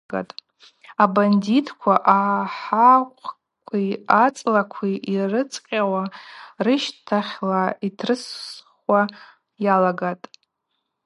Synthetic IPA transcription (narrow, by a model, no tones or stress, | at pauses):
ɡa̰tʼ | abanditʰkʷʰaʔaħaqʷʼʰ | kʷʰiat͡sʼlakʷʰiirɨt͡sʼqʲʼawarɨʃtʰaχʲlaitʰrɨsʷ | wa | jalaɡatʼ